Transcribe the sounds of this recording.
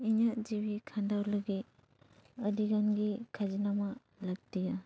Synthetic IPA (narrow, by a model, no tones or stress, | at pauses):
inad͡ʒibikʰandawlɯɡi | ɐdiɡanɡikʰazinamɐ | lak̚tija